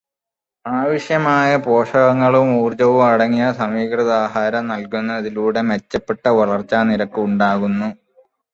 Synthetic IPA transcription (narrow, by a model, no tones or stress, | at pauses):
aːʋiʂjɐmaːjɐpo̞ːʂɐɣɐŋːɐɭumuːrd͡ʑɐʋumɐɽɐŋːijɐsɐmiːkrɐðaːhaːɾɐmnɐlkunːɐːðiluːɽe̞met͡ɕːɐpːeʈːɐʋɐɭɐrt͡ɕːaːniɾɐkːɨuɳɖaːɣunːu